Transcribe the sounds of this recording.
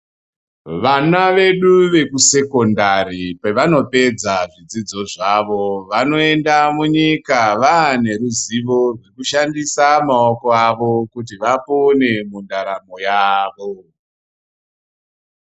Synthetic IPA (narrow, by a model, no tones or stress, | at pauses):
ʋanaʋe̞ɗuʋe̞kuse̞ko̞ndaripeʋano̞pe̞d͡zaʐid͡zid͡zo̞ʐaʋo̞ʋano̞e̞ndamuɲikaʋane̞ɾuziʋo̞ʐwe̞kuʃandisamaoko̞aʋo̞kut̬iʋapo̞ne̞mundaɾamojaːʋo